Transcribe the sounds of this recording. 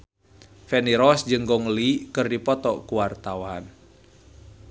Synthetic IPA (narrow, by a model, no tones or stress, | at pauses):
fɛniɾɔsd͡ʒɨŋɡɔŋlikɨrdipɔt̪ɔkuwart̪awan